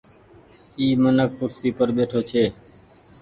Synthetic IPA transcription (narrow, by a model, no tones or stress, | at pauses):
iːmənək̚pʊɾsiːpəɾɓeːʈʰoːt͡ʃʰeː